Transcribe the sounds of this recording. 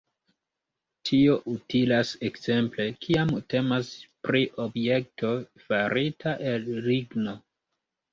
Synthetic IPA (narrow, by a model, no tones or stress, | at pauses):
tʰio̞ʔutilasekz̥e̞mple̞kʰiamte̞maspɾiʔobje̞k̚to̞faɾitʰaʔelɾiɡno